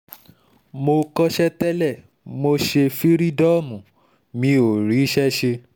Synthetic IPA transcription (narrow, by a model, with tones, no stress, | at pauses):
mo˧kɔ˦ʃɛ˦tɛ˦lɛ˦˨ | mo˧ʃe˧fi˦ɾi˦dɔ˦˨mũ˨ | mĩ˨˧˦o˨ɾi˨˦ʃɛ˦ʃe˧